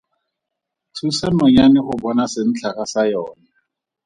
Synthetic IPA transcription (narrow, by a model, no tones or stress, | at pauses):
tʰusanɔɲanɪχʊbɔnasɪn̩t͡ɬʰaχasajɔːna